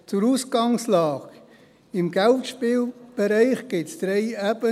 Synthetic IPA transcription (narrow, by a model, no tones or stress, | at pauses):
t͡sʊɾuːsɡ̥ɑŋslɑːk | ɪmɡ̥ɛltʃpiːlb̥ɛɾɛɪχɡ̥ɪtsd̥ɾeɪæb̥ə